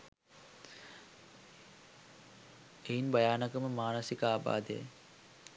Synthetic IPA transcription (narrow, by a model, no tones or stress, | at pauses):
eɦinbajaːnɐkəməmaːnɐsikəaːba̰ːd̪ḛj̰